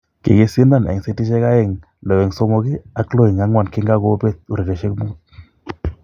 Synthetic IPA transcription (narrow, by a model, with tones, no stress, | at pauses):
kḛ˨ɡe˦si˦nda˦˨nɛ̰˨se˦ti˦ʃɛ˦ka˦jɛ˦˨ŋ | lɛ˨wɛ˨ŋsɔ˦mo˦ɡi˦a˦klo˦i˨ŋa˦ŋwa˨nki˦ŋɡa˦ɡo˦be˦t̪̚u˨ɾe˨de˨ʃe˦kmu˦t̪̚